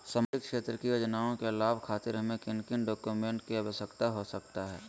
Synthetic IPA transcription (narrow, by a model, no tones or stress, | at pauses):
səmɪkkʃeːt̪ɾəkijod͡ʒnaːõkelaːbkʰaːt̪ɪɾɦɐmẽkɪnkɪnɖoːkjumẽːɳʈkiɐbəsəkt̪aɦosɐkt̪aɦɛː